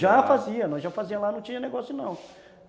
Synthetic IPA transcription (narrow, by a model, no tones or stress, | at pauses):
ʒafaziɐnɔ̃ʒafaziɐlanɐ̃w̃t͡ʃĩɲɐneɡɔsjʊnɐ̃w̃